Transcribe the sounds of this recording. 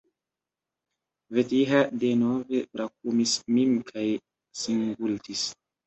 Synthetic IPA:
vetiɦadenovepɾak̚umismimkʰaj | siŋɡultis

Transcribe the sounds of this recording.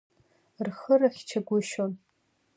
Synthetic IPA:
rχəraχʲt͡ʃʰaɡʷʊʃon

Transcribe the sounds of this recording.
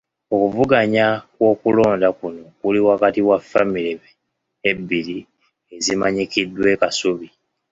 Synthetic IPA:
o̞kuvuɡaɲakwo̞ːkulo̞ːndakuno̞kuliwakatiwafːamiɾeβeː | bːiɾi | e̞zimaɲikidːwe̞ːkasuβi

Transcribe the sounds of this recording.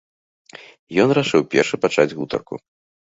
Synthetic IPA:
jɔnɾaʂɨwpʲɛ̰rʂɨpat͡ʂad͡zʲɣut̪ɐ̰rkṵ

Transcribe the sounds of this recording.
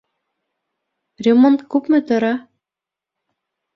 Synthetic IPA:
rʲemont̪̚kupmɘ̆t̪ɤ̆ɾɑ

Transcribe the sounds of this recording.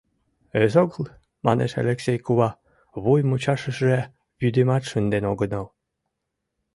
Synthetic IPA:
ezoɡlˠ | mɑnḛʃḛlʲeksʲejkuβɑ | βujmut͡ɕɑʃə̆ʃʒe | βyd̪emɑt̪ʃənd̪enoɡə̆nəl

